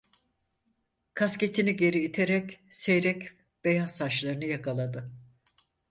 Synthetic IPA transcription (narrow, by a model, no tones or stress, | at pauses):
kʰasce̞t̪ʰiniɟe̞ɾiit̪ʰeɾɛc | sejɾɛc | b̥e̞jasːaʃlˠaɾɯnɯjakʰalˠad̪ɯ